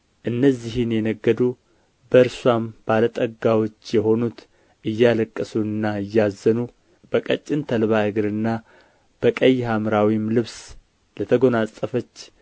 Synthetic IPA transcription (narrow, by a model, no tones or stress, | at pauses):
ʔɨnːəzːiɦɨnjɛnəɡːəd̪u | bəɨɾswamb̥alət̪ʼəɡawo̞t͡ʃːjɛho̞nut̪ | ʔɨjːaləkʼːəsuɨnːaɨjːazːənu | bəkʼət͡ʃʼːɪnt̪ʰəlβaɨɡɨɾɨnːa | b̥əkʼəjːhamɾawimlɨβs | lət̪ʰəɡo̞nasʼəfət͡ʃː